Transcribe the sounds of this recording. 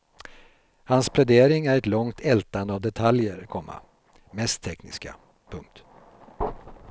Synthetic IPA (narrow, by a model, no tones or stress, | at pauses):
hanspʰlɛd̪eːɾɪŋæɾɛt̪lɔŋt̪ʰɛlt̪and̪əavd̪ɛt̪ʰaljəɾkʰɔmːa̰ | mɛst̪ʰːɛknɪ̰ska̰ | pʰɵŋk̚t̪